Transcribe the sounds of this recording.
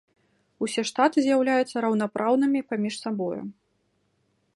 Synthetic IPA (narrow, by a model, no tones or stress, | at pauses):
usʲɛʂt̪at̪ɨzʲjawlʲajut̪sːɐɾɐwn̪apɾʔawnɨmʲipamʲiʂsabɔjṵ